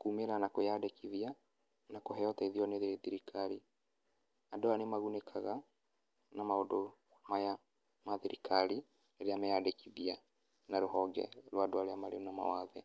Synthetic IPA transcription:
kuːmeɾanakojadekʰiðia | nakoɦɛjɔtaiðiɔneðeðiɾikʰaɾi | adoanemaɣunekʰaɣa | namaodo | maja | maðiɾikʰaɾi | eɾeamejadekiðia | naɾoɦɔɡɛ̰ɾwadoaɾeamaɾḛunama̰waðɛ

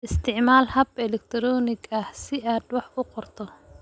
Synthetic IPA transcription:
ʔɪst̪ʰɪʕmaːlhɐbɛlɛk̚t̪ʰɾɔːnɪɡɐhsɪʔaːd̪wɑħʊqɔrt̪ʰɔ

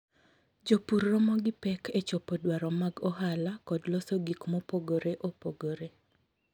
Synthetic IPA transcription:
d͡ʒopurːɔmɔɡɪpɛkʰet͡ʃɔpɔdwaɾɔmaɡɔɦalakɔdlɔsoɡikmɔpoɡoɾeʔopoɡoɾe

